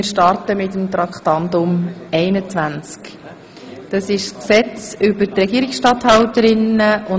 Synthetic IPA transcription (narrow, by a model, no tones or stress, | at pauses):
ɾʃtɑɾtəmɪtəmt̪ɾɑkχtɑndʊmɛɪnət͡sʋænt͡sk | d̥ɑsɪʃsksɛt͡sʏbəɾtrɛɡ̥iːɾɪksʃtɑthɑwtəɾɪnəʊ